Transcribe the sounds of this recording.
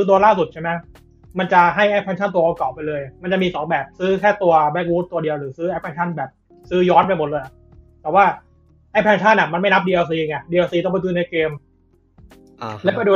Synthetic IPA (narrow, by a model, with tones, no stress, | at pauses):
sɯː˦˥t̪u˧ɐlaː˥˩su˨˩t̪̚t͡ɕʰa˥˩mɛ˦˥ | ma˧nt͡ɕa˨˩ɦa˥˩jʔa˥pʰɛː˧nt͡ɕʰa˥˩nt̪u˧ɐʔkɔ˨˩w̚pa˧jlɤː˧jʔma˧nt͡ɕa˨˩miː˧sɔː˩˦ŋbɛː˨˩p̚sɯː˦˥kʰɛː˥˩t̪u˧ɐbɛ˦˥k̚wuː˦˥t̪̚ːu˧ɐdi˧ɐwɾɯː˩˦sɯː˦˥ʔa˦˥˩pʰɛː˧nt͡ɕʰa˥˩nbɛː˨˩p̚ | sɯː˦˥jɔː˦˥npa˧jmo˨˩t̪̚lːja˨˩ | t̪ɛː˨˩waː˥˩ | ʔa˦˥˩pʰɛː˧nt͡ɕʰa˥˩nʔa˨˩ma˧nma˥˩jna˦˥p̚diː˧ʔoː˧s̬iː˧ŋa˧˩diː˧aː˧siː˧t̪ɔ˥˩ŋpa˧˩sɯː˦˥na˧keː˧m | lɛ˦˥pa˧jduː˧